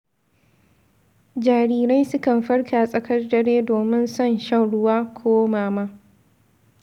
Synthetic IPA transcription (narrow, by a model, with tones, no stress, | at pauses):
d͡ʒaː˨ɾiː˦ɾa˦jsʊ˦kɐ˨mɸɐ˦ɽkʰaː˨sʼɐ˨kʰɐ˦rdɐ˦ɽeː˦doː˨mɪ˦nsɐ˦˨nʃa˦˨wɽʊ˦waː˦kʷʰoː˦maː˨maː˦